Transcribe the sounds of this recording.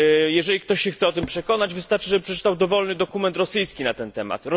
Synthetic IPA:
jɛʐɛlʲik̚t̪ɔɕɕɛxt̪sɛɔt̪ɘmpʂɛkɔnad͡ʑvɘst̪aɾt͡ʂɘʐɛbɘpʂɛt͡ʂɘ̥t̪awd̪ɔvɔlnɘd̪ɔkumɛnt̪ɾɔsɘjskʲinat̪ɛnt̪ɛma̰t̪ɾɔ

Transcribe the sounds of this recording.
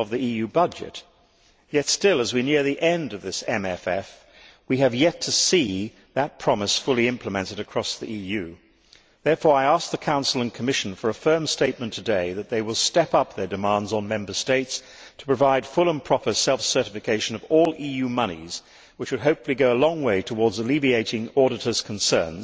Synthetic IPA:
ʌvðiijʉbʌd͡ʒɨ̰t̚ | jɛtstɪlˠəzwinɪɹðiʔɛ̃ndʌvðɪsɛ̃mɛfɛ̰f | wiɨvjɛtʰɨsi | ðɨt̚pʰɹ̥ɑməsfʊlˠiɪ̃mpʰləmɛ̃ntɨɾɨkʰɹ̥ɔsðiʔijʉ | ðɛɹfɔɹaɪæsk̚ðɨkʰãʊ̃nsl̩ˠə̃nkʰəmɪʃn̩fə˞ɨfɜ̃˞msteɪt̚mɨ̃ntʰɨdeɪðɨt̪̚ðeɪwəlˠstɛpʌp̚ðə˞dɨmɑ̃ndzn̩mɛ̃mbə˞steɪts | tʰə̥pʰɹ̥ɨvaɪd̥fʊlˠə̃npʰɹ̥ɑpə˞sɛlˠfsɜ˞ɾɨfɨkʰeɪʃɨ̃nʌvɔlˠʔijʉmʌñḭz̥ | wɨt͡ʃwɨd̚ɦoʊpfl̩ˠiɡoʊəlɔ̃ŋweɪɾʰəwɔɹdzəlivieɪɾɪ̃ŋɔɹɾɨɾə˞z̥kʰn̩sɜ̰̃˞nz̥

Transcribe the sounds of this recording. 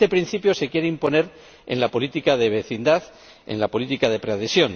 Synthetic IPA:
t̪e̞pɾin̟θipjo̞se̞kje̞ɾeimpo̞ne̞ɾ | ḛnlapo̞lit̪ikaðe̞β̞e̞θind̪aθ | ḛnlapo̞lit̪ikað̞e̞pɾeaðe̞sjo̞n

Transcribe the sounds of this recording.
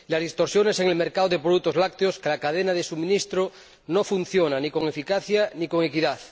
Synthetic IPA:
lazðist̪oɾsjoneseŋelmeɾkaðoð̞epɾoðut̪ːozlak̚t̪eoskelakaðenað̞esumĩnist̪ɾo | nofun̟θjonanikoŋe̞fikaθjaniko̞ŋekiðaθ

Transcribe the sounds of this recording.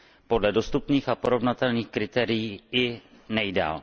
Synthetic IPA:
po̞dlɛdo̞st̪upniːxapo̞ɾo̞vnat̪ɛlniːxkɾɪt̪ɛːɾɪjiːɪ | nɛjda̰ːl

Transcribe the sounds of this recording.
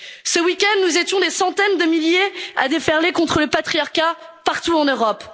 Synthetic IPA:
səwikʲɛ̃nd̪nuzet̪jɔ̃d̪esɑ̃t̪ɛnd̪əmiljea̰d̪efɛʁlekɔ̃t̪χələpat̪χijaʁkʲa | paʁt̪uɑ̃nøʁɔp

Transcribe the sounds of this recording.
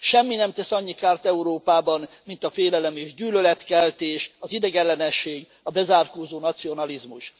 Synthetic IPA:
ʃɛmːinɛmt̪ɛsɒɲːikaːrt̪ɛuɾoːpaːbɒn | mint̪ɒfeːlɛlɛmeːʒɟyːlølɛt̪kɛlt̪eːʃɒzid̪ɛɡɛlːɛnɛʃːeːɡ | ɒbɛzaːrkoːzoːnɒt̪sio̞nɒlizmuʃ

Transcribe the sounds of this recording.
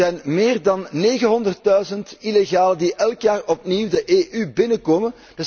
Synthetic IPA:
ɛjnmeːrdɑnːeːɣənɦɔndərt̚dœɥzəntileɣaːlədiʔɛlˠkjaːrɔp̚niːwdəʔeːʔybɪnəkoːmən | d̥ə

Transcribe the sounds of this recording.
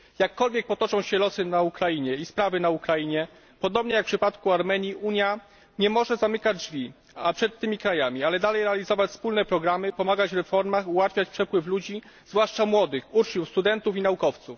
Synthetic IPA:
jakːɔlvʲjɛk̚pɔt̪ɔt͡ʂɔ̃w̃ɕɛlɔsɘnaukɾajiɲɛispɾavɘnaukɾajiɲɛ | pɔd̪ɔbɲɛjakpʂɘpat̪kuaɾmɛɲiʔuɲja | ɲɛmɔʐɛzamɘkad͡ʑd͡ʐvʲi | apʂɛt̪ːɘmʲikɾajamʲialɛd̪alɛjɾɛalʲizɔvat͡ɕspulnɛpɾɔɡɾamɘpɔmaɡat͡ɕɾɛfɔɾmaxuwat̪fʲjat͡ɕpʂɛpwɘflud͡ʑi | zvwaʂt͡ʂamwɔd̪ɘxut͡ʂɲufst̪ud̪ɛnt̪ufinaukɔft̪suf

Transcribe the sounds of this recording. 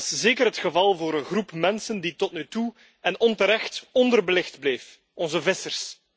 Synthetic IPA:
szeːkəɾɦətxəvɑlˠvoːɾənɣrupmɛnsənditɔtnytu | ɛnɔntəɾɛxtɔndərbəlɪxdbleːf | ɔnzəvɪsərs

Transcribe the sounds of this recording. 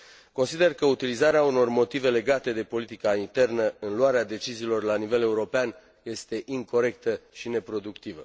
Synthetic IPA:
ko̞nsid̪e̞rkəut̪ilizaɾeauno̞rmo̞t̪ive̞le̞ɡat̪e̞d̪e̞po̞lit̪ikaint̪e̞rnəɨnluaɾead̪e̞t͡ʃiziːlo̞rlanive̞le̞uɾo̞pean | je̞st̪e̞ʔiŋko̞ɾe̞k̚t̪əʃine̞pɾo̞d̪ukt̪ivə̰

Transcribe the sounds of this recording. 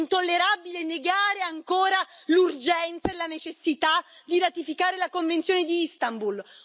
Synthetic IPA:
nt̪olːeɾabileneɡaːɾeaŋkoːɾalurd͡ʒɛnt̪saelanet͡ʃesːit̪ad̪iɾat̪ifikaːɾelakoɱvent̪sjoːned̪iist̪ambul

